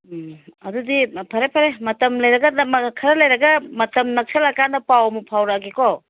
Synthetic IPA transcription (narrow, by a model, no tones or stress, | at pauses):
ɐdudipʰɐɾepʰɐɾemɐtɐmlɐjɾɐɡɐmɐkʰɐɾɐlɐjɾɐɡɐmɐtɐmnɐk̚sʰɐlɐkandɐpawɐmupʰawɾaɡikɔ